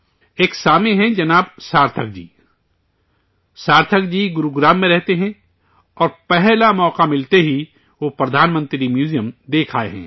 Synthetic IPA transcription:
eːksaːmeɦɛ̃d͡ʒɐnaːbsaːɾt̪ʰək̚d͡ʒḭː | saːɾt̪ʰəkd͡ʒiːɡʊɾuɡɾaːmːẽɾɛɦt̪eɦɛ̃ | ɔːɾpɛɦlamɔːqamɪlt̪eɦi | ʋopɾɐd̪ʱaːnmə̃nt̪ɾɪimjuːzijəmd̪eːkʰaːeɦɛ̰̃ː

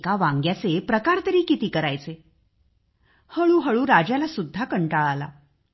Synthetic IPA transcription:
kaʋãŋɡjat͡sepɾəkaɾt̪əɾiːkit̪iːkəɾajt͡se | həɭuːɦəɭuːɾad͡ʑjalasud̪ʱːakəɳʈaɭala̰

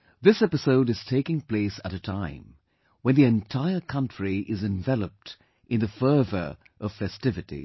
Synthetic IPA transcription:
ðɪsɛpɨsoʊɾɨz̥tʰeɪkɪ̃ŋpl̥eɪsəɾɨtʰãɪ̃m | wə̃nðiɨ̃ntʰaɪə˞kʰʌ̃nt͡ʃɹ̥iʔɪzɨ̃ɱvɛlˠəp̚t | ʔɨ̃nðɨfɜ˞və̰˞ | ʔʌv̥fɛstɪvɨɾḭ

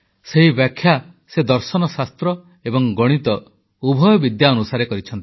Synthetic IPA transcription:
seɦibjakʰja | sed̪ɔɾsɔnɔsast̪ɾɔ | ebɔŋɡɔɽ̃it̪ɔ | ubʱɔjɔbid̪jaɔnusaɾekɔɾit͡ʃʰɔnt̪i̥

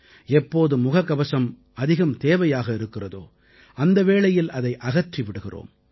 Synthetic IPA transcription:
ɛpːoːðɯmʊɣɐkːɐbɐsɐm | ɐðɪɣɐmt̪eːʋɐjaːɣɐɪɾɯkːɪrɐðo̰ː | ʔɐnd̪ɐʋeːɭɐjɪlʔɐðɐɪʔɐɣɐʈriʋɪɽɯɣɪro̰ːm

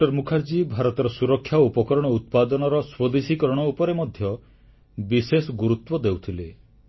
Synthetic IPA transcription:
ɔɾmukʰaɾd͡ʒibʱaɾɔt̪ɔɾɔsuɾɔkʰːjaupɔkɔɾɔɽ̃ɔut̪̚pad̪ɔnɔɾɔswod̪isikɔɾɔɽ̃ɔupɔɾemɔd̪ʱjɔ | bisesɔɡuɾut̪wɔd̪ewt̪ʰile

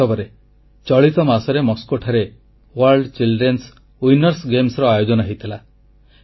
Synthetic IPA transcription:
ɔbɔɾe | t͡ʃɔɭit̪ɔmasɔɾemɔskoʈʰaɾe | waɾɖt͡ʃilɖɾens | ujnɔɾsɡemsɾɔajod͡ʒɔnɔɦejt̪ʰila

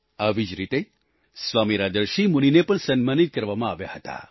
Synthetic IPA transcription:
aʋid͡ʒɾit̪e | sʋamiɾad̪əɾʃimuninepəɳsənmanit̪̚kəɾʋamãaʋja̰ɦət̪a̰

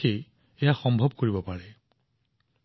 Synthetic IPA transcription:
ej | ejaxɔmbʱɔb̚koɹibɔpaɹɛ

